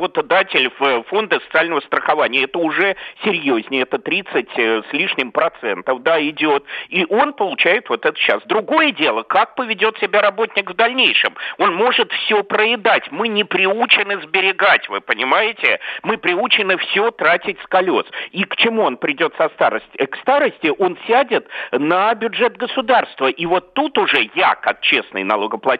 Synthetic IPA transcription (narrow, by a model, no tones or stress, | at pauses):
bət̪ɐd̪atʲɪlʲvəfo̞nd̪əsə̥t̪sɨalʲnəvəst̪ɾəxɐvanʲɪjəɛt̪əʊʐɛsʲɪɾʲjozʲnʲɪɛt̪ət̪ɾʲit̪sɨtʲəsʲlʲiʂnʲɪmpɾɐt̪sɛnt̪əfd̪aɪdʲot̪iʔo̞npəlˠʊt͡ɕæjɪt̪vo̞t̪ɛt̪ə̥ɕa̰sd̪ɾʊɡojədʲe̞lˠəkak̚pəvʲɪdʲo̞t̪sʲɪbʲaɾɐbo̞tʲnʲɪkvd̪ɐlʲnʲejʂɨmo̞nmo̞ʐɨt̪fsʲopɾəɪd̪atʲmɨnʲɪpɾʲɪut͡ɕɪnɨzbʲɪɾʲɪɡatʲvɨpənʲɪmajɪtʲɪmɨpɾʲɪut͡ɕɪnɨfsʲot̪ɾatʲɪtʲskɐlʲo̞̰sikt͡ɕɪmuonpɾʲɪdʲo̞t̪sɐst̪a̰ɾəsʲtʲkst̪aɾəsʲtʲɪʔo̞nsʲædʲɪt̪nəbʲʊʐɛt̪̚ɡəsʊd̪arst̪vəʔivo̞t̪ːut̪ʊʐɛja̰kak̚t͡ɕe̞snɨ̰jnɐ̰lˠoɡəplˠɐ